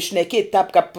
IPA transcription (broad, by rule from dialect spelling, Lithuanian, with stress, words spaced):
ʃʲnʲɛˈkʲiɛtʲ tɑːp kɐp